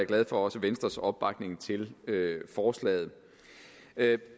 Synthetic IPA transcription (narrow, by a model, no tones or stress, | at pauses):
æɐɡ̥lɛð̞ˠfɒ̽ɒ̽səʋensd̥ʁɐsɒ̽b̥̚b̥ɑ̈ɡ̥ne̝ŋt͡sʰe̝løfɒːslɛ̰ːð̞̩ˠ